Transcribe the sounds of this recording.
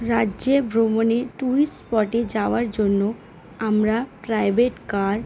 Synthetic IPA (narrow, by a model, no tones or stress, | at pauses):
ɾad͡ʑebʱɾomoneʈuɾispɔʈed͡ʑaoaɾd͡ʑonːo | amɾapɾajbeʈkaɾ